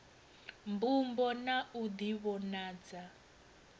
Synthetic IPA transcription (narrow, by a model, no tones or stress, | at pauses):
mbumbɔnaʔud̪iβɔnaːd͡za